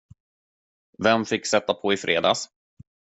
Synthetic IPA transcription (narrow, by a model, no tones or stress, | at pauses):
vɛmfɪkːsɛt̪ːapʰɔɪfɾʔḛːd̪a̰ːs